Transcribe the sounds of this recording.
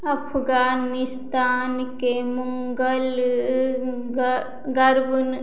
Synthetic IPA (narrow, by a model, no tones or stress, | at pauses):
ɐpʰɡaːnist̪aːnkemuŋɡəl | ɡɐɾbun